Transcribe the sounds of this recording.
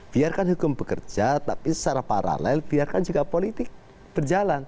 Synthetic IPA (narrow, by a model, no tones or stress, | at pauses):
b̥iarkanɦukʊmpəkə̰rd͡ʒat̪apist͡ʃaɾapa̰ɾa̰lɛlbiarkand͡ʒuɡapolit̪ɪk̚ | b̥ərd͡ʒalan